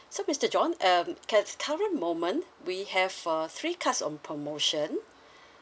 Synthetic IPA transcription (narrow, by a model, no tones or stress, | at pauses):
somɪstəd͡ʒɔ̃nʌmkʰɛtkʰaɹə̃nmõmə̃nwihɛvaθɹiːkʰatsɔ̰̃npʰɹɔmoʃə̃n